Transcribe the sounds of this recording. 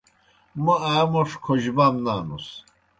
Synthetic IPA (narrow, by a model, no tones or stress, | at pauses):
maaːmɔʂkʰɔʒbamnaːnṵs